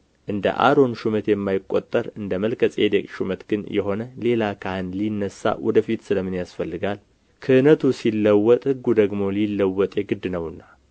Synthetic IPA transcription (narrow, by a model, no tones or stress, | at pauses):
ʔɨnd̪ə̰ʔa̰ɾo̞nʃumət̪jɛmːajɪkʼːo̞t̪ʼːəɾɨnd̪əməlkʰəsʼed̪ekʼʃumət̪ɡ̥ɨnjɛ̰ɦo̞nəle̞lakʰahɨnlinːəsːa̰wɔd̪əfit̪sɨləmːɨnjasfəlːɨɡal | kʰəɨnət̪ʰusilːəwːɔt̪ʼhɨɡːud̪əɡmo̞lilːəwːɔt̪ʼjeɡɨd̪ːɨnəwɨnːa